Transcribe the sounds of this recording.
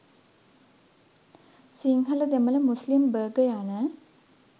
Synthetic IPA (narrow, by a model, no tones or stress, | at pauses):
siŋɦələd̪æmələmuslimbəːɡəjanə